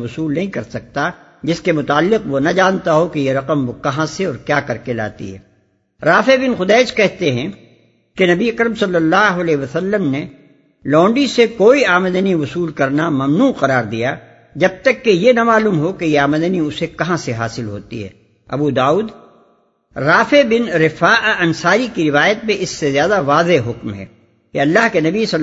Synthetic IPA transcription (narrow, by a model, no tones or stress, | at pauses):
ʊsuːlnɐɦĩkɐɾsɐk̚t̪a | d͡ʒɪskemʊt̪aːlːɪqʋonɐd͡ʒaːnt̪aɦokejeɾɐqəmʋokɐɦãseɔːɾkjaːkɐɾkela̰ːt̪ḭɦɛ̰ː | ɾaːfebɪnxʊd̪ɛːd͡ʒkɛɦt̪eɦɛ̃ | kenɐbiɐkɾəmsɐlːəlːaːɦʊɐlɛːɦʋɐsɐlːəmne | lɔ̃ːɳɖisekoːiaːməd̪əniʋʊsuːlkɐɾnamɐmnuːqɐɾaːɾd̪ija | d͡ʒɐb̚t̪ɐkːejenɐmaːluːmɦokejeaːməd̪əniʊsekɐɦãseɦa̰ːsɪlɦo̰ːt̪ḭɦɛ̰ː | ɐ̰bud̪aːuːd̪ | ɾaːfebɪnɾɪfaːʔɐnsaːɾikiɾɪʋaːjət̪̚mẽʔɪsːezjaːd̪aʋaːzeɦʊkmɦɛ̰ː | keɐlːaɦkenɐbisɐ